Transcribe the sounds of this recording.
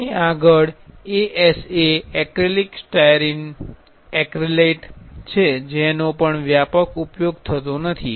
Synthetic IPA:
iaɡəɭeʔɛseɛkɾeliksʈajɾin | ɛkɾeleʈt͡ʃʰed͡ʒenopəɳʋjapəkupjoɡ̚t̪ʰət̪onət̪ʰi

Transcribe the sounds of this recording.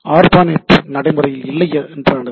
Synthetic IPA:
aːɾbaːneʈːnɐɽɐɪmɯrɐjɪlɪlːɐjɐɛndɾaːɳɐð

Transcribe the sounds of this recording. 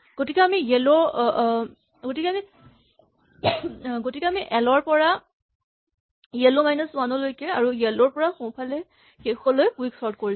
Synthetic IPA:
ɡ̥otikɛamijelɔɹ | ɡotikɛami | ɡotikɛamiʔɛlɔɹpɔɹa | jelomajnɔswanɔlojkɛaɹuɡɛlɔɹpɔɹaxõw̃pʰalɛ | xexɔlojkuwiksɔɹtkoɹi

